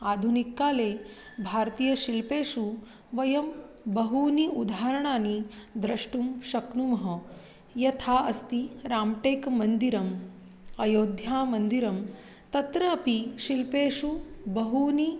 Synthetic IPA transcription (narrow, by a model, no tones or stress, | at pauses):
aːd̪ʱunikːaːleː | bʱaːɾt̪iːjɐʃilpeːʃu | ʋɐjɐm | bɐɦuniud̪ʱaːɾɐɳaːnid̪ɾɐʂʈumʃɐknumɐɦɐ | jɐt̪ʰaːɐst̪iɾaːmʈeːkmɐnd̪iɾɐm | ɐjoːd̪ʱjaːmɐnd̪iɾɐm | t̪ɐt̪ɾɐːpiʃilpeːʂubɐɦuːni